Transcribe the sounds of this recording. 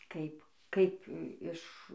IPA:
ˈkɐɪp ˈkɐɪp ˈɪʃ

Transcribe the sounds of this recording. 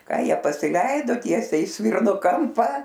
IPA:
ˈkɑː ˈjiɛ pɐsʲɪˈlʲɛɪdoː ˈtʲiɛsʲɛɪ ɪ ˈsʲʋʲɪrnoː ˈkɐmpɐ

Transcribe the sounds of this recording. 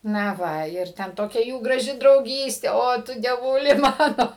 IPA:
nɐ ˈʋɐ ɪr ˈtʲɛn ˈtoːkʲɛ ˈjuː ɡrɐˈʒʲɪ drɐʊˈɡʲiːsʲtʲeː ˈoː tʊ dʲiɛˈʋuːlʲɪ ˈmɑːnoː

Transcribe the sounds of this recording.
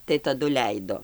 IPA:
tɐɪ tɐˈdʊ ˈlʲɛɪdoː

